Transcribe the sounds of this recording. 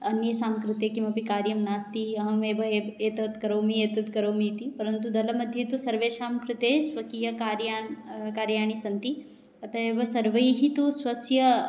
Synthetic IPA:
ɐnjɐsaːmkɾut̪eːkimɐpikaːɾjɐmnaːst̪iɐɦɐ̃meːbɐeeːt̪ɐt̪kɐɾoːmieːt̪ɐt̪kɐɾoːmit̪ipɐɾɐnt̪ud̪ɐlɐmɐd̪ʱjɐt̪usɐɾʋeːʃaːmkɾɪt̪eːsʋɐkijɐkaːɾjaːɳkaːɾjaːɳ̃isɐnt̪i | ɐt̪ʰɐeːbɐsɐɾʋɐjiɦit̪usʋɐsjɐ

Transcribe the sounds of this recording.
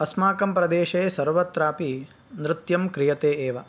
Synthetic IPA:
ɐsmaːkɐmpɾɐd̪eːʃɐeːsɐɾʋɐt̪ɾaːpi | nɾɪt̪jɐmkɾijɐt̪eːeːʋɐ

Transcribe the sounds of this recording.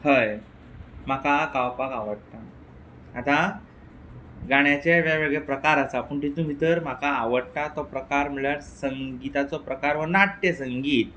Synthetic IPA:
həj | m̤akakawpakaʋəɽt̪aː | t̪a | ɡaɽ̃jat͡ɕeʋaʋeɡɭepɾəkaɾasapəɳt̪it̪ũːbʱit̪əɾm̤akaːʋəɽt̪at̪ɔpɾəkaɾmilaɽsəŋɡit̪at͡sɔpɾəkaɾʋənaʈʈesəŋɡiːt̪̚

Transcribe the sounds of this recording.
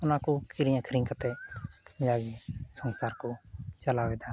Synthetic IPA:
ʊnãːkokɪɾijãːkʰəɾĩŋkət̪e | d͡ʒaːɡisənsaːɾkot͡ʃəlaːʋed̪aː

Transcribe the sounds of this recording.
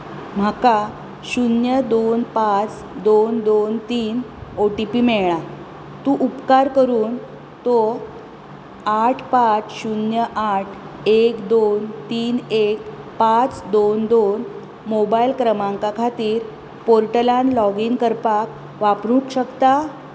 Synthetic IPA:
m̤əka | ɕunjəd̪onpat͡s | d̪ond̪ont̪iːnoʈipiːmeɭɭa | t̪uʔupkaɾkəɾuːn | t̪o | aʈʰpat͡sɕunjəʔaʈʰ | ekd̪ont̪iːnek̚pat͡sd̪ond̪on | mobailkɾəmãŋkakʰat̪iːɾ | poɾʈəlãnlɔɡiŋkəɾpak | ʋapɾũkɕəkt̪a

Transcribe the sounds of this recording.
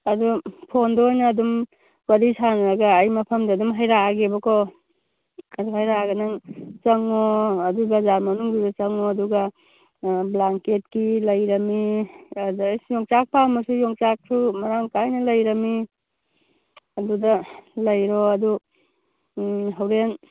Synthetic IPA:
ɐdupʰondɔːjnɐːdum | wɐɾisʰanɐɾaɡaːjmɐpʰɐmdɐːdumɦajɾaaɡebɔkʰɔ | aɾuɦajɾaɡɐnaŋt͡ʃɐŋɔɐdubɐzaɾmɐnuŋbidɐt͡ʃɐŋɔɐduɡa | blaŋket̚kilɐjɾɐmi | djɔŋt͡ʃak̚pamɐsujɔŋt͡ʃak̚sumɐɾaŋkajnɐlɐjɾɐmi | ɐdudɐlɐjɾɔɐdu | ɦawɾen

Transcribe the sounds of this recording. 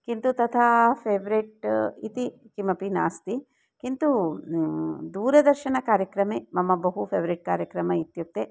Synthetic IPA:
kint̪ut̪ɐt̪ʰaːpʰeːʋɐɾiʈit̪ikimɐpinaːst̪i | kint̪u | d̪uːɾɐd̪ɐɾʃɐnɐkaːɾjɐkɾɐmeːmɐmɐbɐɦupʰeːʋɐɾiʈ̚kaːɾjɐkɾɐmɐit̪juk̚t̪e

